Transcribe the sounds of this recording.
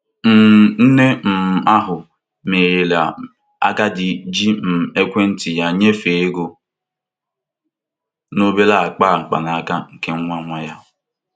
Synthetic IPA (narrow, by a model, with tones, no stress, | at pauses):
m̩˨n̩˦ne˦m̩˨a˦ɦʊ˨ | me˨je˨la˨ | a̰˦ɡa˦dɪ˨d͡ʒi˦m̩˨e˦kʷe˦n̩˦tɪ˨ja˦ɲe˦fe˨e˦ɡo˦ | no˦be˦la˦a˨k͡pa˦˨ŋ͡m̩˨k͡pa̰˨na˨a˦˨ka˦ŋ̩˨ke˦ŋ̩˦ŋʷa˦ŋʷa˦ja˦